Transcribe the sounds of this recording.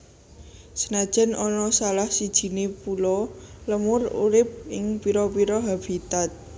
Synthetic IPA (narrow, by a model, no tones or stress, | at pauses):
sənad̥ʒ̥a̤nɔnɔsalahsid̥ʒ̥i̤nepulɔləmʊrṵɾɪp̚ɪŋpiɾɔpiɾɔɦab̥it̪at̪̚